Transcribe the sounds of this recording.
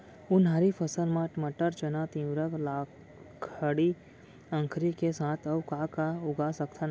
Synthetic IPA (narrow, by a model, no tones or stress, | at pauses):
ʊnɦaɾifʰəsəlmãʈməʈəɾt͡ʃənat̪ĩwɾəklaː | kʰəɽi | ə̃ŋkʰɾikesãːt̪ʰəwkaːkaʊɡasəkt̪ʰan